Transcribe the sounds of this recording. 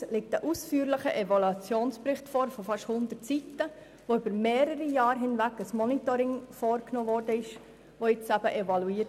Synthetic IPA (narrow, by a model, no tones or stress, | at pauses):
lɪk̚təʔusfyːəɾləχəʔɛvɔlɑt͡sjoːnspɾɪχtfɔːɾfɔfɑʃhʊnd̪ətt͡sitə | ʋoybəɾmeːɾəɾijɑːɾɦɪnʋækəsmɔnit̪ɔɾɪŋfɔːɾknoːʋɔːrdəɪʃ | ʋojɪt͡sæb̥əʔɛʋɑluiːə